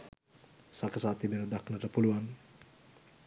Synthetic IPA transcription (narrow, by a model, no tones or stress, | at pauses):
sakəsaːt̪ibenəd̪akʰnəʈəpuluʋan